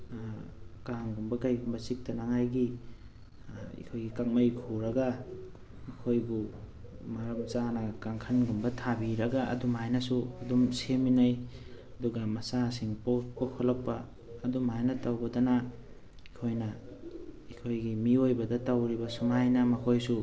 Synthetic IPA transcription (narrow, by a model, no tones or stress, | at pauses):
kaŋɡumbɐkajɡumbɐsik̚tɐnaŋajɡi | ḭkʰojɡikak̚majkʰuɾɐɡa | mɐkʰojɡu | maɾɐmt͡ʃanɐkaŋkʰɐnɡumbɐtʰabiɾɐɡaʔːdumajnɐsuɐdumseminaj | ɐduɡɐmɐsasiŋpopokʰolɐpːɐː | dumajnɐtawbɐdɐnɐ | ikʰojnɐ | ikʰojɡimiojbɐdɐtawɾibɐsumajnɐmɐkʰojsu